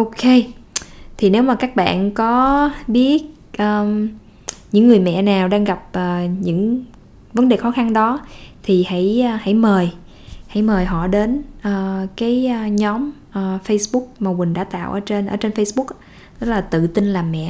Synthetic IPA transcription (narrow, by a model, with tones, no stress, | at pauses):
ʔo˧ke˧ | t̪ʰi˨˩ne˨˦wmaː˨˩kaː˦˥k̚ɓa̰ː˧˨nkɔ˨˦ɓi˦˥ət̚ | ʔəː˨˩ | ɲɨ̰˧˥ŋːɨ˨˩əjmɛ̰˧˨naː˨˩wɗaː˧ŋɣa˨˩p̚ʔəː˨˩ɲɨ̰˧˥ŋ | və˨˦nɗe˨˩xɔ˨˦xa˧nɗɔ˨˦t̪ʰi˨˩hə̰˧˥jːha̰˧˥jməː˨˩j | ha̰˧˥jməː˨˩jɦɔ̰˧˨ɗe˨˦nʔəː˨˩kaː˨˦jɲɔ˨˦m | ʔəː˨˩fə˧jsɓʊ˦˥k̚maː˨˩mï̟˨˩ɗa̰ː˧˥t̪a̰ː˧˨wʔəː˧˩t͡ɕe˧nʔəː˧˩t͡ɕe˧nfə˧jsɓʊ˦˥k̚ː | t̪ɨ˦˥k̚laː˨˩t̪ɨ̰˧˨t̪i˧nlaː˨˩mːɛ̰˧˨